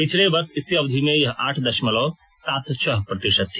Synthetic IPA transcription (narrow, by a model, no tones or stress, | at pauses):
pɪt͡ʃʰleʋɐɾt̪ʰɪsiɐʋd̪ʱimẽjɐɦʔaːʈʰd̪ɐʃmɐloː | saːt̪t͡ʃʰɐɦpɾɐt̪ɪʃɐt̪ː